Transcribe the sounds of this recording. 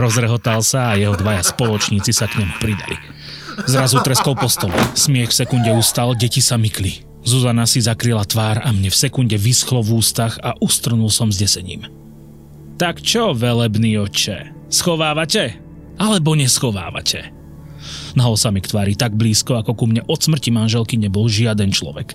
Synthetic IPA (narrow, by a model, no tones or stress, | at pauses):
ɾɔzɾɛɦɔt̪alsaːjɛɦɔd̪ʋajaspɔlɔt͡ʃɲiːt͡sisakɲɛmupɾid̪a̰lḭ | zɾazut̪ɾɛskɔlpɔst̪ɔlɛsmɪɛxfsɛkunɟɛuːst̪alɟɛcisamikli | zuzanasizakɾilat̪ʋaːɾamɲɛfsɛkunɟɛʋisxlɔvuːst̪axaʔust̪r̩nulsɔmzɟɛsɛɲḭːm | t̪akt͡ʃɔʋɛlɛbniːɔt͡ʃɛ̰ | sxɔʋaːʋacɛ | alɛbɔɲɛsxɔʋa̰ːʋa̰cʰɛ | naɔsamikt̪ʋaːɾit̪aɡ̚bliːskɔakɔkumɲɛʔɔt̪smr̩cimanʒɛlkiɲɛbɔlʒɪad̪ɛnt͡ʃlɔ̰ʋɛk